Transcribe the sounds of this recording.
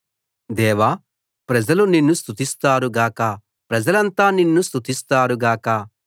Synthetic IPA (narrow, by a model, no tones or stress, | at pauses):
d̪ɛːʋaː | pɾɐd͡ʒɐluninːust̪ʰut̪ist̪aːɾuɡaːkɐ | pɾɐd͡ʒɐlɐnt̪aːninːust̪ʰut̪ist̪aːɾuɡaːkɐ